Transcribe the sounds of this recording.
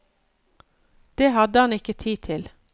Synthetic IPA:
d̪̥eːhɑd̪əhɑnɪkət̪ʰiːt̪ʰɪl

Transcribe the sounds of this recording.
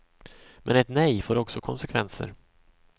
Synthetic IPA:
mʔɛnɛt̪nɛjfoːɾɔksɔkʰɔnsɛkʰvɛnsə̰ɾ

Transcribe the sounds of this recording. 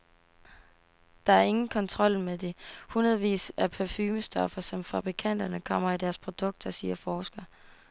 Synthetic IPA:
d̥ɑ̈æɐe̝ŋn̩kʰɒ̽nt͡sʰʁɒ̽l̰med̥ehunɐð̞̩ˠʋḭːsæpʰæfyːməsd̥ɒfɐsɒ̽mfɑb̥ʁikʰæn̰d̥ɐnəkʰɒ̽m̰ɐid̥æɐspʰʁo̝d̥ɔ̽ɡ̥̚d̥ɒsiːɐfɒːsɡ̥ɐ

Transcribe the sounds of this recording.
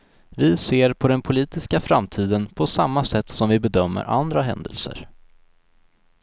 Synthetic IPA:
vɪseːɾpʰɔd̪ɛnpʰʊliːt̪ɪskafɾamt̪ʰiːd̪ənpʰɔsamːasɛt̪ːsɔmvɪbɛd̪œmːə̰ɾʔa̰nd̪ɾaɦɛ̰nd̪ə̰lsə̰ɾ

